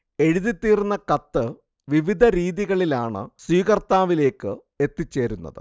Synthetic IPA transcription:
e̞ɻuðit̪ːiːrunːɐkɐt̪ːɨ | ʋiʋid̪ʱɐɾiːðiɣɐɭilaːɳɨ̰swiːɣɐrt̪aːʋile̞ːkːɨ | e̞t̪ːit͡ɕːe̞ːɾunːɐ̰ðɨ̰

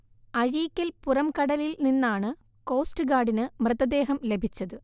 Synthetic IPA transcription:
ɐɻijkʲːɐlpurɐmkɐɽɐlilninːaːɳɨ | ko̞ːstɨɡaːɖinɨmrɨðɐd̪e̞ːɦɐmle̞bʱit͡ɕːɐðɨ

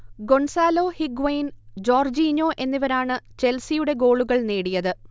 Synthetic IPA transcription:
ɡo̞ɳsaːlo̞ːhiɡʋɐjind͡ʑo̞ːrd͡ʑiːɲo̞ːʔe̞nːiʋɐɾaːɳɨt͡ɕe̞lsijuɽe̞ɡo̞ːɭuɣɐɭneːɽijɐðɨ

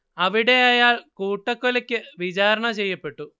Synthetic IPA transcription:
ɐʋiɽeːɐjaːɭkuːʈːɐkːulɐkːɨʋid͡ʒaːɾɐɳɐt͡ʃeːjːɐpːeʈːu

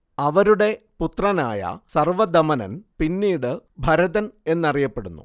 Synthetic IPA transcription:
ɐʋɐɾuɽe̞put̪rɐna̰ːjɐ̰sɐrʋɐd̪ɐmɐnɐ̰npinːiːɽɨbʱɐɾɐðɐne̞nːɐrijɐpːe̞ɽunːṵ

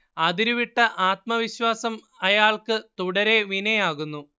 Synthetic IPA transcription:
ɐðiɾuʋiʈːɐʔaːt̪̚mɐʋiɕwaːsɐm | ɐjaːɭkɨt̪uɽɐɾe̞ʋinɐjaːɣunːu

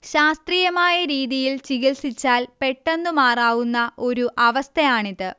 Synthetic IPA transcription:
ɕaːst̪riːjɐmaːjɐɾiːðijilt͡ɕiɣilsit͡ɕːaːlpe̞ʈːend̪umaːraːɣunːɐʔo̞ɾuʔɐʋɐst̪ʰɐjaːɳiðɨ

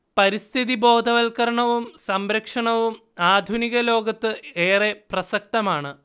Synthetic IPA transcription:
pɐɾist̪ʰiðibo̞ːd̪ʱɐʋɐlkɐɾɐɳɐʋumsɐmɾɐkʂɐɳɐʋum | aːd̪ʱuniɣɐlo̞ːɡɐt̪ːɨeːreprɐsɐk̚t̪ɐmaːɳɨ

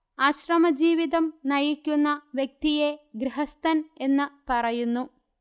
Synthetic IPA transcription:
ɐɕrɐmɐd͡ʑiːʋiðɐmnɐjikʲːunːɐʋjek̚t̪ijeɡɾiɦɐst̪ɐne̞nːɨpɐrɐjunːu

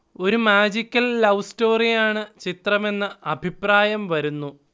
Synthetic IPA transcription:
o̞ɾumaːd͡ʑikʲːɐlːɐwsto̞ːrijaːɳɨt͡ɕit̪rɐme̞nːɨʔɐbʱipraːjɐmʋɐɾunːu

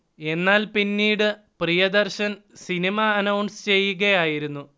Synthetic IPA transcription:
e̞nːaːlpinːiːɽɨ | prijɐd̪ɐrɕɐnsinimɐːnɐwɳɖst͡ɕe̞jːuɣɐjaːjiɾunːu

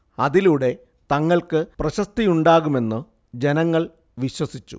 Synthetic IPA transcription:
ɐðiluɽe̞ | t̪ɐŋːɐɭkɨprɐɕɐst̪ijuɳɖaːɣume̞nːɨ | d͡ʑe̞nɐŋːɐɭ | ʋiɕwɐsit͡ɕːṵ

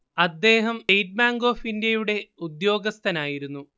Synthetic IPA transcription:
ɐd̪ːe̞ːɦɐmejʈ̚maːŋɡo̞ːfindjɐjuɽe̞ud̪jo̞ːɡɐst̪ʰɐnaːjiɾunːu

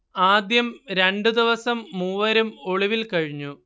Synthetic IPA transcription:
aːd̪jɐmɾe̞ɳɖɨd̪iʋɐsɐmːuːʋɐɾumo̞ɭiʋilkɐɻiɲːu

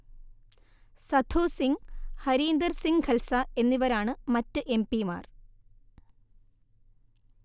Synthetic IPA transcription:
sɐd̪ʰʱuːsiŋhɐɾiːnd̪ɐrsiŋɡkʰɐlsɐe̞nːiʋɐɾaːɳɨmɐtːɨʔe̞mpima̰ːr

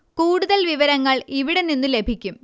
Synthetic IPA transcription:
kuːɽuðɐlʋiʋɐɾɐŋːɐɭiʋiɽe̞ninːule̞bʱikʲːum

